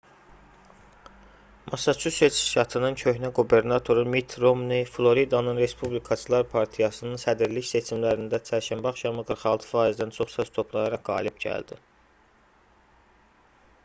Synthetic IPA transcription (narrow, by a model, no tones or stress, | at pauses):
mʔɑsɑt͡ʃʰuset͡ʃʰʃʃɑt̪ʰɯnɯncʰø̞çnæɡube̞ɾnɑt̪ʰo̞ɾumit̪ʰɾo̞mniflˠo̞ɾid̪ɑnɯnɾe̞spublikʰɑt͡ʃʰɯlˠɑɾpʰɑɾt̪ʰijɑsɯnɯnsæd̪iɾliçse̞t͡ʃʰimlæɾind̪æt͡ʃʰæɾʃæmbɑχʃɑmɯɡɯɾχɑlˠt̪ʰɯ̥fɑːizd̪ænt͡ʃʰo̞χsɑst̪ʰo̞pʰlˠɑjɑɾɑqɡɑ̰ːlibɟæ̰ld̪i